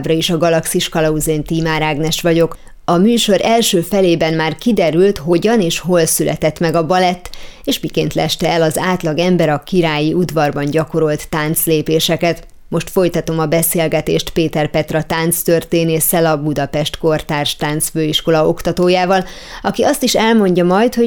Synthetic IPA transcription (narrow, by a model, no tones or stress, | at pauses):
brɒiʃɒɡɒlɒksiʃkɒlɒuzeːnt̪iːmaːɾaːɡnɛʃʋɒɟo̞k | ɒmyːʃo̞ɾɛlʃøːfɛleːbɛnmaːrkid̪ɛɾylt̪ɦo̞ɟɒneːʃɦo̞lsylʔɛ̰t̪ɛt̪mɛɡɒbɒlɛt̪ːeːʃmikeːnt̪lɛ̰ʃt̪ɛɛlɒzaːt̪lɒɡɛmbɛɾɒkiɾaːjiʔud̪vɒrbɒnɟɒko̞ɾo̞lt̪ːaːnt̪sleːpeːʃɛkɛt̪ | mo̞ʃt̪fo̞jt̪ɒt̪o̞mɒbɛseːlɡɛt̪ḛːʃt̪peːt̪ɛrpɛt̪rɒt̪aːnt̪st̪ørt̪eːneːsɛlɒbud̪ɒpɛʃt̪ko̞rt̪aːrʃt̪aːnt̪sføːiʃko̞lɒo̞kt̪ɒt̪oːjaːvɒl | ɒkiʔɒst̪iʃɛlmo̞ɲɟɒmɒjt̪ho̞